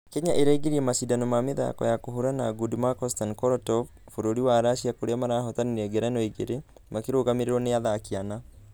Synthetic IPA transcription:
keɲaʔeɾɛiɡeɾiɛmasidanomameða̰kɔ̰jakoɦoɾanaɡudimakɔstankɔɾɔtɔ | foɾoɾiwaɾaʃiakoɾeamaɾaːɦɔtaniɾɛɡɛɾɛnɔiɡeɾe | makeɾoːɣameɾeɾɔneaðaːkiana

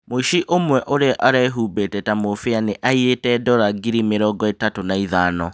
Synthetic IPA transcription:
moiʃiʔomwɛʔoɾeʔaɾaɛɦuːbetɛtamofeaneʔaietɛdɔɾaɡiɾimeɾɔːɡɔetatonaiðaːnɔ

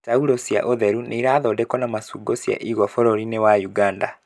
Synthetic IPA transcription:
tauɾosija̰ʔoðɛɾuneiɾaːðɔdɛkɔnamasuːɡɔsja̰ʔiɣwafɔɾɔɾinewajuɡaːnda

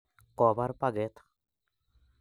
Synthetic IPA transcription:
kɔbaɾpaɡɛt̪ʰ

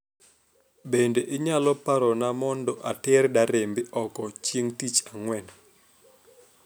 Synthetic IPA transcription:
bendeʔɪɲalɔpaɾɔnamɔndɔʔatɪrdaɾembɪʔɔkɔt͡ʃjeŋtit͡ʃaŋwɛn

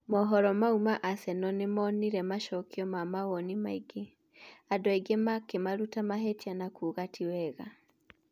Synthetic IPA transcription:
mɔɦɔɾɔmaumaʔasɛnɔnemɔniɾɛmaʃɔkiɔmamaɣɔnimaiɡe | adɔeɡemakemaɾutamaɦetianakuɣatʰiwɛɣa

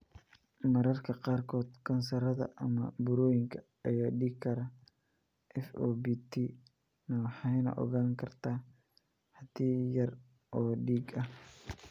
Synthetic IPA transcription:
mɐɾɐrkʰɐqɑːrkʰɔːd̪kʰɐnsɐɾɐðɐ̰ʔɐmɐ̰bʊɾɔːjɪŋkʰɐ | ɐjaːɖiːɡkʰɐɾɐ | ʔɛfʔoːbiːt̪ʰi | nɐwħɑjnɐ̰ʔɔ̰ɣaːŋkʰɐrt̪ʰaː | hɐd̪iːjɐr | ʔɔːɖiːɡɐh

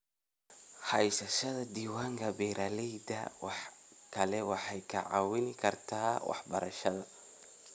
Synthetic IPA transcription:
ħɑjsɐʃɐðɐd̪iːwaːŋkʰɐbɛːɾaːlɛjd̪ɐ̰wɑħkʰɐlɛwɑħɑjkʰɐ̰ʕɑ̰wɪnɪkʰɐrt̪ʰaːwʔɑ̰ħbɐɾɐʃɐðɐ

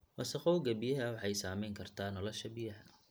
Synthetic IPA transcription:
wɑsɐqɔwɡɐbɪjɐɦɐwɑħɑjsaːmɛjŋkʰɐrt̪ʰaːnɔlɐʃɐbɪjɐɦɐ

